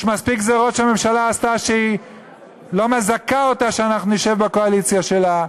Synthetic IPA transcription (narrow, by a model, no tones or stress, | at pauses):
ʃmaspikzeʁot̪ʃeame̞mʃalaːst̪aʃei | lo̞mezakaot̪aʃeanaχnuniʃevbako̞alit͡sjaʃe̞la